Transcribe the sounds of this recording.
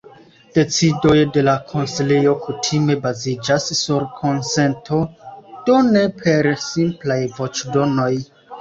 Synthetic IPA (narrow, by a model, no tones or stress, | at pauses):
d̥et͡sidojde̞lakʰonsilejokʰutʰime̞bazid͡ʒasːuɾkʰonsentʰod̥onepʰeɾsĩmplajvot͡ʃdonoj